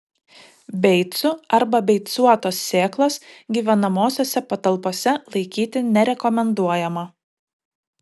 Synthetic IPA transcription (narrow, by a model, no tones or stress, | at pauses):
bʲɛɪt̪sʊɐɾbɐbʲɛɪt̪suɔt̪oːsːʲeːklˠɐsɡʲiːʋʲɛnɐmoːsʲoːsʲɛpɐt̪ɐlˠpoːsʲɛlˠɐɪkʲiːt̪ʲɪnʲɛɾʲɛkɔmʲɛnd̪uɔjɛmɐ